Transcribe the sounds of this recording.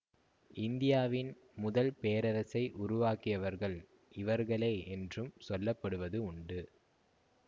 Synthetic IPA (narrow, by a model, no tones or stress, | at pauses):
ʔɪnd̪ɪjaːʋɪn | mʊðɐlpeːɾɐɾɐsɐɪʔʊɾʊʋaːkɪjɐʋɐɾɣɐɭ | ɪʋɐɾɣɐɭeːɛndrɯmsɔlːɐpːɐɽɯʋɐðɯʊɳɖɯ